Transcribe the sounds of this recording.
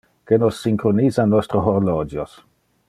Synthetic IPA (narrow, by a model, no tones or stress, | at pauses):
kenosːiŋkɾonizanɔst̪ɾoɦoɾlod͡ʒjos